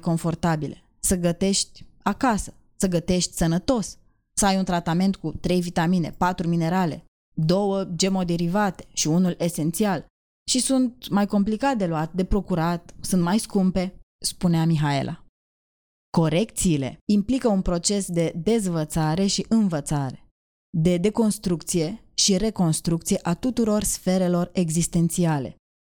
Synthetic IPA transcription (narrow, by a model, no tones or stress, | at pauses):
ko̞ɱfo̞rt̪abile | səɡət̪e̞ʃt̪ʲakasə̥ | səɡət̪e̞ʃt̪ʲsənət̪o̞s | səajunt̪ɾat̪ame̞nt̪kut̪ɾe̞jvit̪amine̞̰pat̪ɾumine̞ɾale̞̰ | d̪o̞wəd͡ʒe̞mo̞d̪eɾivat̪e̞̥ʃiunule̞se̞nt̪sial | ʃisunt̪̚majko̞mplikat̪̚d̪e̞luat̪d̪e̞pɾo̞kuɾat̪̚sunt̪majskumpe̞ | spuneamiɦae̞̰lʔa̰ | ko̞ɾe̞k̚t̪siːle̞̰implikəunpɾo̞t͡ʃe̞sd̪e̞d̪e̞zvət̪saɾe̞ʃiʔɨnvət̪saɾe̞̥ | d̪e̞d̪e̞ko̞nst̪ɾuk̚t̪sije̞ | ʃiɾe̞ko̞nst̪ɾuk̚t̪sije̞ʔat̪ut̪uɾo̞rsfe̞ɾe̞lo̞re̞ɡzist̪e̞nt̪siale̞̰